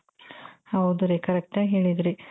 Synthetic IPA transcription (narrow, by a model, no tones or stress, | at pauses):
ɐwd̪uɾekɐɾek̚ʈaɦeːɭid̪ɾi